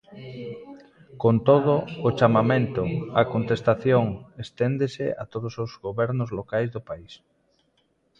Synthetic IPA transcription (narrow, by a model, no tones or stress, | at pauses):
kont̪oð̞ʊːt͡ʃamamẽnt̪ʊakont̪est̪aθjoŋest̪end̪esḛa̰t̪oðosozɣoβɛɾnʊzlokajzðʊpais